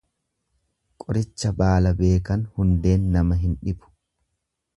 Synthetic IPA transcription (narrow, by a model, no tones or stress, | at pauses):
kʼɔɾɪt͡ʃːɐbaːlɐbe̞ːkɐnhʊnd̪e̞ːnːɐmɐɦɪnᶑɪbʊ̥